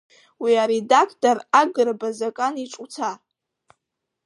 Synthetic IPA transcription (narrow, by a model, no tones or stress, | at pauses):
wiaɾidakʰtʼaraɡɨrbazakʼaniʈ͡ʂʼut͡sʰa